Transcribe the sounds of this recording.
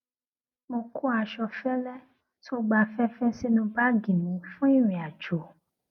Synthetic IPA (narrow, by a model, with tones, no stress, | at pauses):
mo˧ku˦a˧ʃɔ˧fɛ˦lɛ˦ | to˦ɡ͡ba˧fɛ˦fɛ˦si˦nũ˧ba˦ɡĩ˨nĩ˨˦fũ˦i˦˨ɾ̃ĩ˨a˨d͡ʒo˨